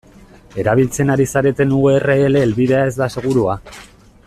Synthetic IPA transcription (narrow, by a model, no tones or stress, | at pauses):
e̞ɾaβ̞ilt͡se̞naɾisaɾe̞t̪e̞nuɣeere̞ːle̞ːlβiðe̞ae̞zd̪ase̞ɣ̞uɾua